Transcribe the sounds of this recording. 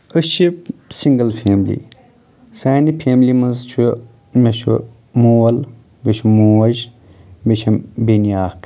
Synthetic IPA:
əʃisiŋɡɐlfʰeːmlḭ | saːnipʰeːmlimɐnzt͡ʃʰu | meʃṵ | muːwɐl | beʃmuːwɐʒ | beʃʰɐmbiniaːk

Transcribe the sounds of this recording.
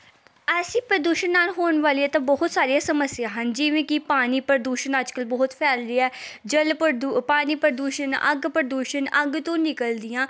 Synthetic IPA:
ɛːsiːpəɾd̪uːʃənːaːlɦoːnʋaːliːɛːt̪ãːbɔɦʊt̪saːɾijãːsəməsːɪjaːɦənd͡ʒɪʋẽːkɪpaːniːpəɾd̪uːʃənəd͡ʒkəlbɔːʊt̪pʰɛːld̪iːɛːd͡ʒəlpəd̪paːniːpəɾd̪uːʃənə̰ɡpəɾd̪uːʃənəɡt̪õːnɪkəld̪ɪjãː

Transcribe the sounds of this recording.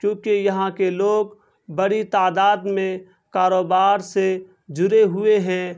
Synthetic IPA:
kjõːkejɐɦãkeloːɡ | bɐɽit̪aːd̪aːd̪mẽ | kaːɾoːbaːɾse | d͡ʒʊɾeɦʊeɦɛ̃ː

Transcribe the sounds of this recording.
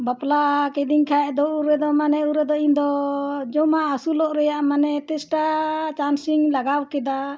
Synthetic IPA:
baplakɛd̪iŋkʰaɛʔd̪ɔuɾɛd̪ɔmanɛuɾɛd̪ɔĩnd̪ɔd͡ʒɔmaːsulɔʔɾɛjaʔmanɛt̪ɛsʈat͡ʃansiŋlaɡawkɛd̪a

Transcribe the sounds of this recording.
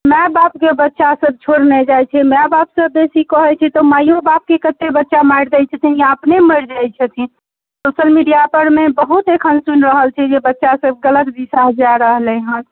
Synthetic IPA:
mɛbap̚kebətːʃasəb̚t͡ʃʰoɽnɛd͡ʒajt͡ʃʰɛmɛbapsəb̚d̪esikɔɦɛt͡ʃʰɛt̪ɔmajõbap̚kekət̪ːebətːʃamaɽd̪ɛt͡ʃʰət̪ʰĩjaəpneməɾd͡ʒajt͡ʃʰət̪ʰĩ | soʃəlmiɖijapəɾmebəɦut̪ekʰənsunɾəɦəlt͡ʃʰɛd͡ʒebətːʃasəb̚ɡələt̪d̪isaɦəd͡ʒaɾːəɦlɛɦə̃n

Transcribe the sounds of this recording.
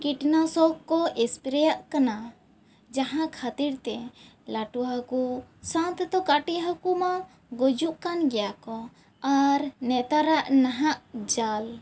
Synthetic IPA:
kiʈnasɔkkːɔʔɛspɾɛjaʔkana | d͡ʒaɦãkʰat̪iɾt̪ɛ | laʈuɦakusãnt̪t̪ɔkaʈiʔɦakuma | ɡod͡ʒuʔkanɡɛjakɔ | aɾnɛt̪aɾaʔnaɦaʔd͡ʒal

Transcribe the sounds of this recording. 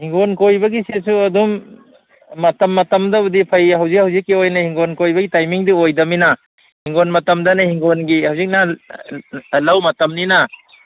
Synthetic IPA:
hiŋɡonkojbɐɡisesuɐdumː | ɐtɐmːɐtɐmdɐudipʰɐjhɐwzik̚hɐwzikːiojnɐhiŋɡonkojbɐɡitajmiŋdiojdɐminɐ | hiŋɡonmɐtɐmdɐnɐhiŋɡonɡihɐwzik̚nɐ | lɐwmɐtɐmninɐ

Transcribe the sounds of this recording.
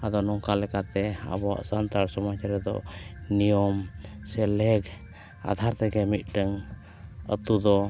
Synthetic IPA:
ad̪ɔnɔŋkalɛkat̪ɛa̰bɔa̰sant̪aɾsɔmat͡ʃaɾɛd̪ɔ̰ʔnijɔmsɛlɛɡ | a̰d̪ʱaɾt̪ɛɡɛmit̪̚ˀɖəŋ | ə̰t̪ud̪ɔ

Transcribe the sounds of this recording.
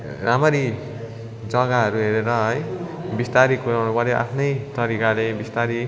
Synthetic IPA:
ramʌɾi | d͡zʌɡaɦʌɾuɦeɾeɾʌɦʌj | bist̪aɾikuɾawnupʌɾjoʔa̰pʰnʌjt̪ʌɾikalebist̪aɾi

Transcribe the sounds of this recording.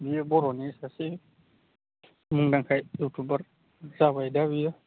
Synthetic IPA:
bijabɔɾɔnisase | muŋdaŋkʰajɔk̚tubaɾ | zabajdabija

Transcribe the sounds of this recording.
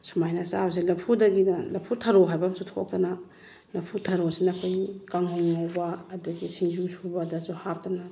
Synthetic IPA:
sumajnasa̰bs̬ilɐpʰudɐɡinɐlɐpʰutʰɐɾoɦajbɐmsutʰkʰo̰k̚tɐnɐ | lɐpʰutʰɐɾosinɐkʰojkaŋhoŋːawbɐːduɡisiŋzuŋsubadazuhap̚tɐnɐ

